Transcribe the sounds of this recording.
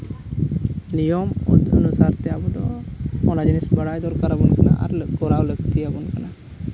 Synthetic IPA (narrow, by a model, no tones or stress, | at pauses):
nijɔmə̰nusaɾt̪ɛabɔd̪ɔ̰ɔnad͡ʒinisbəɽajd̪ɔɾkaɾabɔnkana̰ʔa̰ɾɡɔɾawləɡt̪iabɔnkana